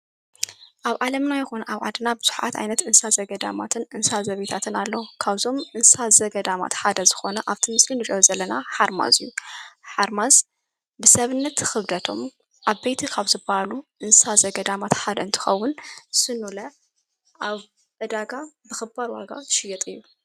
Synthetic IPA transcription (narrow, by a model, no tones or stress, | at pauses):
ʔaβʕalɐmnajɛxunʔaβʕa̰d̪nabɨz̥uħʕa̰t̪ʔa̰jnɐt̪ɨnsazɐɡɐd̪a̰mat̪ʰɨnʔɨnsazɐβet̪ʰat̪ʰɨnalːɐkʰaβzo̞mʔɨnsazɐɡɐd̪ama̰t̪ħad̪ɐzɨxo̞nɐʔaβt̪ʰimɨslinɨt͡ʃʼozɐlːɐnaħaɾma̰zɨjːuħaɾmaz | bɨsɐβɨnːɐt̪xɨβd̪ɐt̪ʰo̞̰m | ʔaβbejt̪ʰikʰaβzɨbahaluʔɨnsazɐɡɐd̪amat̪ħad̪ɐɨnt̪ʰɨ̥xɐwːʊnsɨnulɐ | ʔaβ | ʔɨd̪aɡabɨxɨbaɾwaɡa̰zɨʃɪjɛt̪ʼɨjːu